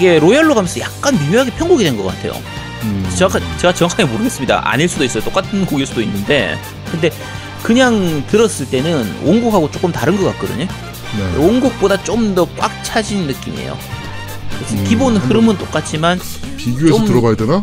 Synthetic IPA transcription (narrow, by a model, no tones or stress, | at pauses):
iɡe̞ɾojaɭːoɡʰamjʌnsʰʌjak̚k͈anmimjuɦaɡe̞pʰjʌŋɡoɡidwe̞nɡʌk͈a̰tʰe̞jo̰ | t͡ɕeakat͡ɕe̞ɡat͡ɕʌkʰaŋimoɾɯɡe̞s͈ɯmɲida̰ʔa̰ɲiɭs͈udois͈ʌjot͈ok͈atʰɯnkoɡiɭs͈udoinːɯnde̞ | kɯnde̞ | kɯɲaŋtɯɾʌs͈ɯɭt͈e̞nɯnʔoŋɡukʰhaɡot͡ɕ͈ok͈ɯmtaɾɯnɡʌk͈ak͈̚ɯdɯ̰ɲi | neḛonɡuk̚p͈odat͡ɕ͈omdʌk͈wa̰k̚t͡ɕʰad͡ʑinːɯk͈imḭḛjo̰ | esʰʌkibonhɯɾɯmɯnt͈ok͈at͡ɕ͈ʰimanpiɡjueotɯɾʌbajidena